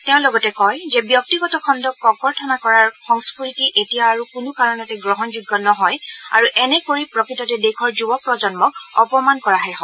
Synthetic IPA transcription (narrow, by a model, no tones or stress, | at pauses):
teʊ̃lɔɡɔtɛkɔjzɛbjɔk̚tiɡɔtɔkʰɔndɔkɔkɔɹtʰɔnakɔɹaɹxɔŋspɹitiʔetijaːɹukʊnʊkaɹɔnɛtɛɡɹɔɦɔnzuɡːɔnɔɦɔja̰ɹuʔɛnɛkoɹipɹɔkɹitɔtɛdekʰɔɹzubɔk̚pɹɔd͡ʒɔnmɔkɔpɔmankɔɹaɦɛɦɔ